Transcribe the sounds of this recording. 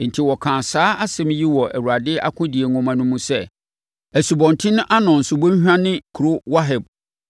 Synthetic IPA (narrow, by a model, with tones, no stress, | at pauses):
n̩˨tʰi˦wɔ˨kʰãː˨saː˦a˦sɛ̃˦m̃˦ji˦wɔ˨ʔæ˨wu˨ɾa˨dɪ˦ʔa̰˦kʰʊ̃˦di˨e˨ŋɔ̃˨mã˨nʊ̃˦mũ˦sɛ˦˨ | æ˨su˨bɔ̃˨ntʰɪ̃˦nʊ̃˦ʔa˦nɔ̃˨n̩˨sʊ˨bɔ˦ɲ˦hᶣã˦nɪ̃˦kʰu˨ɾʊ˦wa˦ɦɛ˨b̚